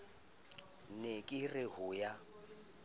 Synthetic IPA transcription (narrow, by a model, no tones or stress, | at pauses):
nekʼɪrɪhʊja